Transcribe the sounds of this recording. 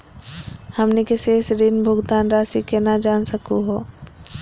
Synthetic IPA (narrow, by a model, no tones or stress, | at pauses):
hɐmnekesesɾinbʱʊɡd̪aːnɾaːsikenad͡ʒaːnsəkuɦoː